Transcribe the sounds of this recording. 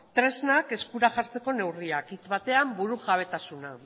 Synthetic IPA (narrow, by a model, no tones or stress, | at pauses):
t̪ɾe̞znake̞skuɾaʝaɾt͡se̞ko̞ne̞wriakit͡sβat̪e̞ambuɾuʝaβ̞e̞t̪asuna